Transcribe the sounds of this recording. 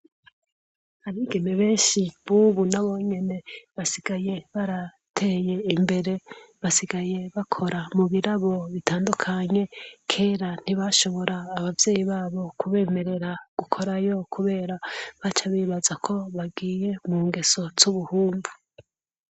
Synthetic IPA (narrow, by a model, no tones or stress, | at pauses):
aβiːɡeneβe̞ːnʃiβuːβunaβo̞ɲe̞ne̞βasiɡ̥aje̞βaɾa | tʰe̞ːje̞imbe̞ɾe̞βasiɡaje̞βakʰo̞ɾamuβiɾaβo̞βitaːndukʰaɲe̞kʰe̞ːɾan̥iβaʃo̞βo̞ɾaːβavje̞ːjiβaːβo̞kuβe̞ːme̞ɾe̞ɾaɡ̥ukʰo̞ɾajo̞kʰuβe̞ːɾaβat͡ʃaβiβazakʰo̞βaɡiːje̞muːŋɡe̞so̞z̥uβuhuːmvu